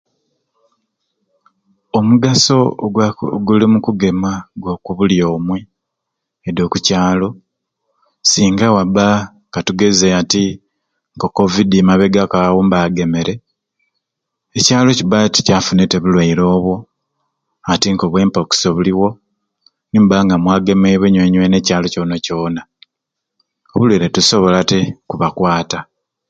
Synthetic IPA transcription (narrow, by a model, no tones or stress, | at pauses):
omuɡaso̞ | ɡulimukuɡe̞maɡwokuβuljo̞ːmwe | edo̞ːkucaːlo̞ | siːŋɡawaba | katuɡe̞zeati | ŋko̞ko̞vidimaβe̞ɡakawombaːɡe̞me̞ɾe̞ | ecaːlo̞cibati̥caːfuneteβulwaiɾo̞ːβwo̞ | atiŋɡo̞βwe̞ːmpoki̥soβuliwo̞ | nimbaŋɡamwaːɡe̞meβweɲweɲwene̞caːlo̞coːnaco̞ːna | oβulweɾetuso̞βo̞latekuβakwaːta